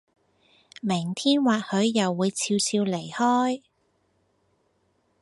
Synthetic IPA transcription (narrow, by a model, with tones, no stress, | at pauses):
mɪ˨˩ŋt̪ʰiː˥nwaː˨t̚hɵ˨˧˥ɥːɐ˨wːuː˨˧jt͡sʰiː˧wt͡sʰiː˧wle˨˩jhɔː˥j